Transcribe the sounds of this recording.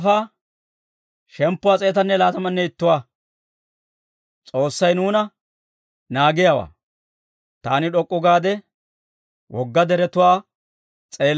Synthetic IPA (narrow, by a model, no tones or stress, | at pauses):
faː | ʃɛmpːʊwaːt͡sʼe̞ːt̪ɐnːɛlaːt̪ɐmɐnːɛɪt̪ːʊwaː | t͡sʼo̞ːsːɐjnuːnɐ | naːɡɪjawa̰ː | t̪aːnɪᶑɔkʼːʊɡaːd̪ɛ | wʔɔɡːɐd̪ɛɾɛt̪ʊwaː | t͡sʼe̞ːl